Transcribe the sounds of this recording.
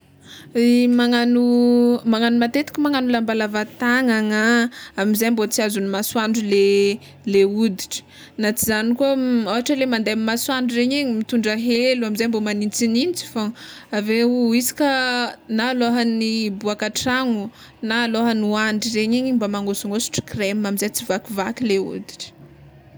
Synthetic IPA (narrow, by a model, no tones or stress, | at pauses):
maŋanumaŋanumat̪et̪i̥kʲumaŋanulambalavat̪aŋaŋaamizajmbot͡siazunimaswaɳɖ͡ʐule | leud̪iʈ͡ʂə̥ | nat͡sizanikuaawɦaʈ͡ʂəlemand̪amimaswaɳɖ͡ʐureɲeɲimit̪uɳɖ͡ʐaɦeluamizajmbomanint͡sinint͡si̥faaveuisi̥kanaːloɦənibuakaʈ͡ʂaŋu | naːloɦənuaɳɖ͡ʐireɲeɲimbamaŋosuŋosu̥ʈ͡ʂi̥kremamizajt͡sivakivakileṵd̪iʈ͡ʂə̥